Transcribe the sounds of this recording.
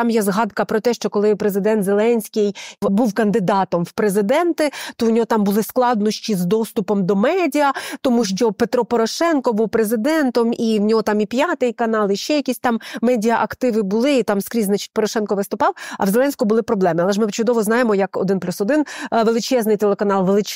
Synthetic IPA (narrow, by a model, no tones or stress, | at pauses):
t̪ɑmjɛzɦɑd̪kɐpɾɔt̪ɛʃt͡ʃɔkɔlˠɪpɾezɪd̪ɛnt̪zelˠɛnʲsʲkʲɪjbuwkɐnd̪ɪd̪ɑt̪ɔmwpɾezɪd̪ɛnt̪ɪt̪ɔwnʲɔɦɔt̪ɑmbʊlˠɪsklˠɑd̪nɔʃt͡ʃʲizd̪ɔst̪ʊpɔmd̪ɔmɛdʲiɐt̪ɔmuʃt͡ʃɔpe̞t̪ɾɔpɔɾɔʃɛnkɔbuwpɾezɪd̪ɛnt̪ɔmiwnʲɔɦɔt̪ɑmipʲjɑt̪ɪjkɐnɑlˠɪʃt͡ʃɛjɐkʲisʲt̪ɑmːɛdʲiɐʔɐkt̪ɪʋɪbʊlˠɪːt̪ɑmskɾʲiznat͡ʃɪ̥t̚ʲpɔɾɔʃɛnkɔʋɪst̪ʊpɑwɐ̰wzelɛnʲsʲkʊbʊlˠɪpɾɔblˠɛmɪɐlˠɛʒmɪt͡ʃʊd̪ɔʋɔznɑjemɔjɐkɔ̰d̪ɪnplʲusɔd̪ɪnʋelˠɪt͡ʃɛznɪjt̪elˠekɐnɑlˠʋelˠɪt͡ʃ